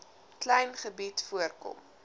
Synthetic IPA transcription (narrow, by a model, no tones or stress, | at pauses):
klɛjnχəbitfuərkɔ̰m